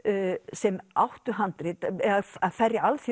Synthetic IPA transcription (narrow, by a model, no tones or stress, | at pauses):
sɛmawht̪ʏɦant̪ɾɪt̪aaðfɛrjɪalθi